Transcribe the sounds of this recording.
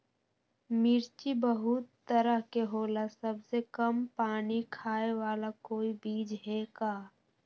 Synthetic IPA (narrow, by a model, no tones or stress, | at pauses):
mɪɾt͡ʃibəɦʊt̪ːəɾəɦkeɦoːlasəbsekəmpaːnikʰaːewaːlakoːibiːd͡ʒɦɛkaː